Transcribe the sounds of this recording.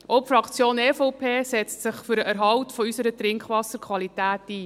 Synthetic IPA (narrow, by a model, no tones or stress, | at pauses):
ʔɔpfrɑkʰt͡sjoːnɛfɔwpʰeːsɛt͡stsɪχfʏɾəʔəɾɦɑwtfɔysəɾət̪ɾɪŋkχʋɑsəɾkʰʋɑlitæːtiː